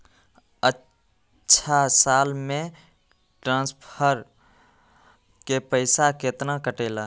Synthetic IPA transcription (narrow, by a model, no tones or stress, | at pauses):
ə | ʃʰasaːlmẽ | ʈɾãːnspʰəɾ | kepəɪsaket̪nakəʈeːla